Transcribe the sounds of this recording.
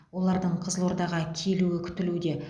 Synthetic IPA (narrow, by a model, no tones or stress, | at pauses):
wo̞lˠɑɾd̪əɴqʰəzlˠo̞ɾd̪ɑʁɑkʲʰe̞luɪkʲʰʏ̥t̪ɪlud̪e̞